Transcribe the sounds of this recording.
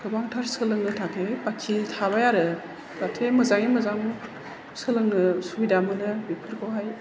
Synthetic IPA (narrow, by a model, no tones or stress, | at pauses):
kɯbaŋtʰaɾsɯlɯŋnɯtʰakʰepakʰitʰabajaɾɯ | zatʰemɯzaŋimɯzaŋ | sɯlɯŋnɯsuijdamɯnɯbipʰɯɾkʰɯwɦaj